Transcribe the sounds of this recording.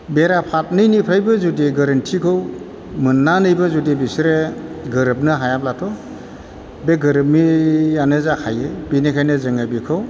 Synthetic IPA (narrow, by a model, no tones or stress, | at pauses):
beɾapʰat̚nɯjnipʰɾajbɯzudiɡaɾɯntʰikʰɯw | mɯnːanɯjbɐzudibisɾeɡɯɾɯp̚nɯɦajap̚latʰɔ | beɡɯɾɯp̚mijanɯzakʰajebinekʰajnɯzɯŋabikʰɯw